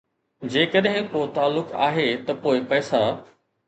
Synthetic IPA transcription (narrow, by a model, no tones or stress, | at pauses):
d͡ʑeːkəɗɦɪ̃kot̪aːlːʊka̰ːɦet̪ɐpoːɪpɛːsa